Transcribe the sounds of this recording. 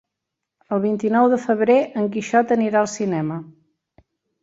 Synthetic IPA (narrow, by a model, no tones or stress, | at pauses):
əlˠβint̪inɔwðəfəβɾeʔəŋk̬iʃɔt̪əniɾaəlˠsinɛmə